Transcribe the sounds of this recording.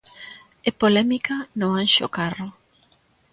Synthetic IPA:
epolɛmikanõŋaŋʃokaro

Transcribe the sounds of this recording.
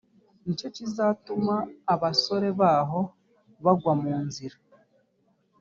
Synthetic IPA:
ɲit͡ʃo̞cizatumaːβaso̞ɾe̞βaːɦo̞ | βaɡwamuːnziɾa

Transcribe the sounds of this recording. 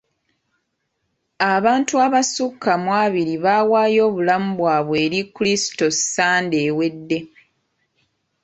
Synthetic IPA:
aβaːntuaβasukʰːamwaːβiɾiβaːwaːjo̞ːβulamubwaːβwe̞ːɾikulisi̥to̞ssaːnde̞ːwe̞dːe̞

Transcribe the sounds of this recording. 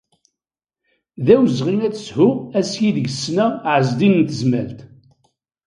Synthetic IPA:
ðæwəzʁinæt͡sshʊæsjiðəʝəsːnæʕəzd̪innt̪əzmæ̰lt̪

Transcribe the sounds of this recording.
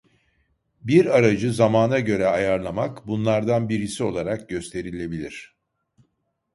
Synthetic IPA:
biɾaɾad͡ʒɯzamaːnaɟø̞ɾɛajaɾlˠamakbunlˠaɾd̪anbiɾisio̞lˠaɾak̚ɟø̞st̪ʰe̞ɾilʲe̞bilʲiɾ̝̥

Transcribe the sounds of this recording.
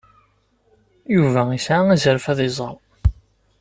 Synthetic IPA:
juvæisʕaæzəɾfæðˤɪzˤəɾˤ

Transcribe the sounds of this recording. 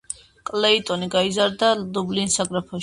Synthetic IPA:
kʼlɛit̪ʼɔniɡaizaɾd̪alublinsaɡʼɾapʰɔ

